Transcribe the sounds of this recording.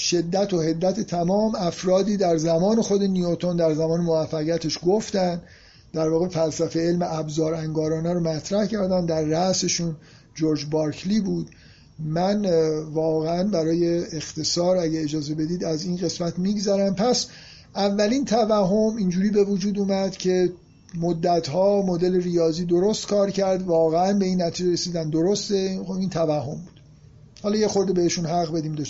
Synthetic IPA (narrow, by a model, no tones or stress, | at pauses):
ʃe̞d̪ːæt̪ʰo̞he̞d̪ːæt̪ʰet̪ʰæmɒːmæfɾɒːd̪iːd̪æɾzæmɒːne̞xo̞d̪e̞niot̪ʰo̞nd̪æɾzæmɒːnemovæfːæɣijæt̪ʰeʃɡoft̪ænd | d̪̥æɾvɒːɣe̞fælsæfe̞e̞lmeʔæbzɒːɾæŋɡɒːɾɒːnæɾomæt̪ʰɾæhcʰæɾd̪ænd̪æɾːæʔse̞ʃun | d͡ʒoɾd͡ʒbɒɾkʰlibuːd̪ | mænvɒːɣeænbæɾɒːje̞ːxt̪ʰe̞sɒːɾæɟæed͡ʒɒːze̞be̞d̪iːd̪æziːnɣe̞smæt̪ʰmiɡzæɾæmpʰæs | ʔævːælint̪ʰævæɦo̞mind͡ʒuːɾiːbe̞vud͡ʒuːd̪uːmæd̪cʰe̞ | mod̪ːæt̪ʰhɒːmod̪e̞lerijɒːziːd̪o̞ɾost̪kʰɒːɾcʰæɾd̪vɒːɣeænbe̞iːnːæt̪ʰiːd͡ʒeɾesiːd̪ænd̪o̞ɾost̪e̞xoint̪ʰævæhɦːo̞mbuːd̪̥ | hɒːlɒːje̞xoɾd̪ebe̞heʃunɦæʁbe̞d̪iːmd̪ɔ